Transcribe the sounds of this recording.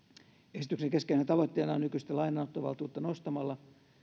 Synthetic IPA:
esi̥t̪ykseŋkeskeisent̪ɑʋot̪ːeːnɑonykyst̪elɑinɑut̪ːoʋɑ̰lt̪iuːt̪ːɑnost̪ɑmɑlːɑ

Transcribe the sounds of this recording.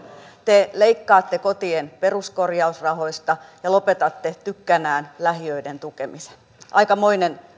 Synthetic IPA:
t̪eleikːɑːt̪ːekot̪ienpe̞ruskorjɑusrɑho̞ist̪ɑjɑlopet̪ɑt̪ːet̪ykːænæːnlæhiøident̪ukemise̥n | ʔɑikɑmoinen

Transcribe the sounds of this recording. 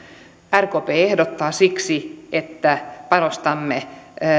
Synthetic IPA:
ærkoːpeːehdot̪ːɑːsiksiet̪ːæpɑnost̪ɑmːe

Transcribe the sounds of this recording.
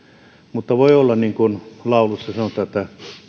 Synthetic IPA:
mut̪ːɑʋoiolːɑnniŋkunlɑˑulusːɑsɑnot̪ˑɑːĕt̪ːæ

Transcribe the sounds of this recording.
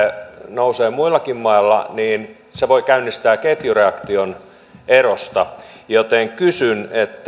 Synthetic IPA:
nouseːmuilːˑɑkimmɑilːɑ̰niːn | seʋoikæynːist̪æːket̪jureɑkt̪ion | erost̪ɑjot̪eŋkysynet̪ː

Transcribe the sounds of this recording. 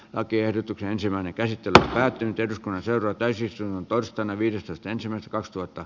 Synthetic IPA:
lɑkiehdot̪ukseensimæˑinekæsit̪ːelø̰mpæːt̪ːynyt̪ehduskunːɑnseˑuroɑt̪æysist̪uintont̪oˑirsst̪ˑɑˑnːɑʋiːdest̪oist̪ɑensimˑæˑist̪ækɑkst̪uhɑt̪ːɑ

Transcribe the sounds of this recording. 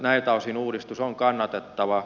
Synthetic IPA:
næilt̪ɑusinuːdist̪usoŋkɑnːɑt̪et̪ːɑʋɑ

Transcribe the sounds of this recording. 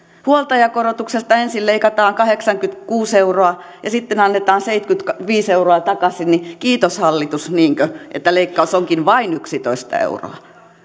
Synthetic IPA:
huolt̪ɑjɑkorot̪uksest̪ɑensilleikɑt̪ɑːŋkɑheksɑŋkyt̪kuːseuroɑ | jɑsit̪ːenɑnːet̪ɑːnseit̪kyt̪kɑʋiːseuroɑt̪ɑkɑsinnikiːt̪oshɑlːit̪usniːŋkøʔḛt̪ːæleikːɑusoŋkinʋɑinyksit̪oist̪ɑ̰ḛuro̰ɑ

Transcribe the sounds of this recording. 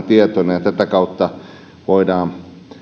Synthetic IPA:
t̪iet̪onɑjɑt̪æt̪ækɑut̪ːɑ | ʋoidɑː

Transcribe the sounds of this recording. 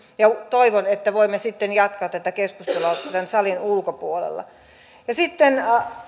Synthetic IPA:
jɑt̪oiʋonet̪ːæʋoimːesit̪ːenjɑt̪kɑːt̪ːæt̪ækeskust̪eloɑt̪ænsɑlinulkopuolḛlːɑ̰ | jɑsit̪ːen

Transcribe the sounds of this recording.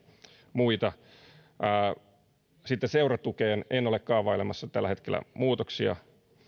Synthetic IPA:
muit̪ɑː | sit̪ːeseurɑt̪ukeːnenːolekkɑːʋɑilemɑsːɑt̪ælːæhe̞t̪kelːæ̰muːt̪oksiɑ̰

